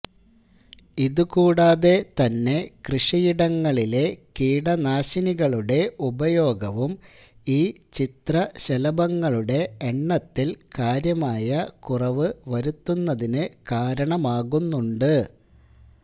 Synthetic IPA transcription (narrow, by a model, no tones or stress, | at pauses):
iðukuːɽaːðe̞t̪ɐnːe̞krɨʂijiɽɐŋːɐɭile̞kiːɽɐnaːɕiniɣɐɭuɽe̞ubɐjo̞ːɡɐʋum | iːt͡ɕit̪rɐɕelɐbɐŋːɐɭuɽe̞ːɳːɐt̪ːilkaːɾjɐmaːjɐkurɐʋɨʋɐɾut̪ːunːɐðinɨkaːɾɐɳɐmaːɣunːuɳɖɨ